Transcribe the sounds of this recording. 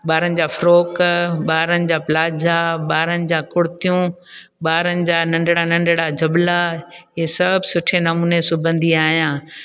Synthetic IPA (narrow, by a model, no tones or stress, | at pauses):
ɓaːɾənɪ̆d͡ʑaːfɾoːkɓaːɾənɪ̆d͡ʑaːplaːd͡ʑʱaɓaːɾənɪ̆d͡ʑãːkʊɽɪt̪ijũ | ɓaːɾənɪ̆d͡ʑaːnɐ̃ɳɖɽanɐ̃ɳɖɽad͡ʑɐɓlaɦeːsɐbsʊʈʰenɐmuːnesʊbʱə̃nd̪ʱiaːɦijãː